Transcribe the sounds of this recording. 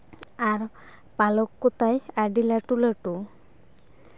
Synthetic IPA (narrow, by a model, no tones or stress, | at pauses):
aɾ | palɔkːot̪ajaɖilaʈulaʈu